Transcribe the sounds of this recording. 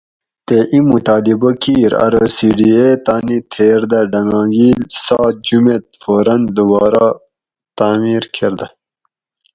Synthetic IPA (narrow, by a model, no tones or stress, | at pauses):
t̪eʔimut̪aːlibɐkiːɾɐ̰ɾəsiːɖiet̪aːnit̪ʰeːɾd̪ɐɖɐŋãːɡiːlsaːt̪̚d͡ʑumet̪̚foːɾɐnd̪ubaːɾa | t̪aːmiːɾkʰeɾd̪ɐ